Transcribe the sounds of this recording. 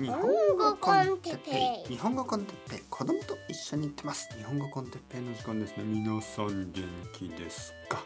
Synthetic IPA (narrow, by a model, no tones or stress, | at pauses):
ɲihõŋɡokoõnt̪eepːeɲ̟iɦõ̞ŋɡo̞kõnt̪e̞̥pːe̞ːkʰo̞d̪o̞mot̪oiɕːo̞ɲ̟iːt̪ːe̞masɨ̥ɲ̟ihõ̞ŋɡo̞kõnt̪e̞pːe̞ːnːod͡ʑikõnd̪e̞sɨnemʲinosãnd̪ẽŋkʲid̪e̞sɨ̥kḁ